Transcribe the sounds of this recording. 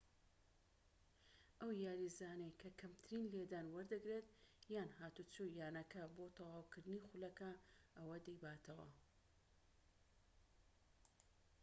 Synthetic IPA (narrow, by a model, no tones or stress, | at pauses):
ʔɐwjaːɾizaːnejkʰɐkʰɐmt̪ʰɨɾiːnled̪aːnwɐɾd̪ɨɡɾet̪jaːnhaːt̪ut͡sujaːnɐkɐbot̪ʰɐwaːwkɨɾd̪ɨnixʊlɐkɐʔɐwɐd̪ɐjbaːt̪ʰɐwɐ̰